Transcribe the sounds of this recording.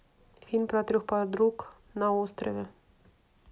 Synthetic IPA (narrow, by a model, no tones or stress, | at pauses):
finpɾat̪ɾʲuxpad̪ɾuk | naost̪ɾɛvʲɛ